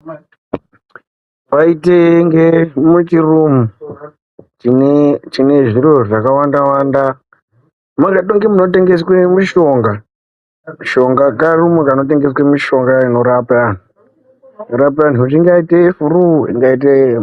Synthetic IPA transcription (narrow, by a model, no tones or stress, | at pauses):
paiteŋɡemut͡ʃirumu | t͡ʃinet͡ʃine̞ʐiɾoʐakawandawaːnda | makaɗoŋɡemuno̞t̬e̞ŋɡeswemiʃo̞ːŋɡa | miʃo̞ŋɡakarumukano̞t̬e̞ŋɡe̞s̬wemiʃo̞ŋɡaino̞ɾapan̤u | inoɾap̬an̤uut͡ʃiŋɡaitefuruḭŋɡait̬e